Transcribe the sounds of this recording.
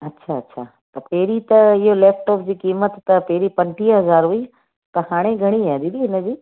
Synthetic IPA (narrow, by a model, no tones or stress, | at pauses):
ɐtːʃʰaɐtːɕʰaː | t̪ɐpeːɾit̪ɐɪɦoleːfʈɔːp̚d͡ʑiːkiːmət̪ːɐpeːɾipɐ̃ɳʈiɦɐzaːɾɦui | t̪ɐhaːɽ̃eɡʱɐɽ̃iaɗ̪id̪iɦɪnə̆d͡ʑiː